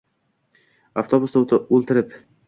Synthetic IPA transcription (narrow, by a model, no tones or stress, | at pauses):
aft̪ʰobʊsd̪ot̪ɪolˠt̪ɪɾɪp